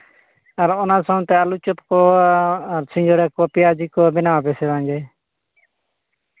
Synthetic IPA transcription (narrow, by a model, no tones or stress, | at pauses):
aɾɔnasɔw̃t̪ɛalut͡ʃɔt̪kɔ | aɾsĩɲd͡ʒɔɾɛkɔpiad͡ʒikɔbɛnawabɛsɛd̪aŋɡɛ